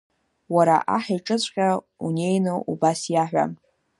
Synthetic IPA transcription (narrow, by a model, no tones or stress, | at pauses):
waɾa̰ʔa̰ħajʈ͡ʂʼɨt͡sʷʼqʲʼa | unʲe̞jnɨʔubasjaħᶣʷa̰